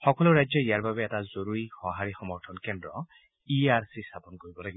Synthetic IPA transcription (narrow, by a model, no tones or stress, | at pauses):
xɔkɔloɹajd͡ʒjɔijaɹbabɛːtazoɾuɹixɔɦaɹixɔmɔɹtʰɔnkendɹɔ | iaɹsistʰapɔnɔkoɹibɔlaɡibɔ